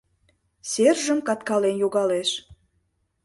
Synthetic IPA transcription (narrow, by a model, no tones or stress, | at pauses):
serʒəmkɑt̪kɑlenjoɣɑleʃ